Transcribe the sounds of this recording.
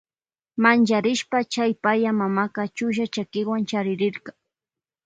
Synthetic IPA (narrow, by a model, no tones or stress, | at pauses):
mant͡ʃaɾɪʃpat͡ʃajpajamamakat͡ʃʊʃ̬at͡ʃakɪwant͡ʃaɾɪɾɪɾkɑ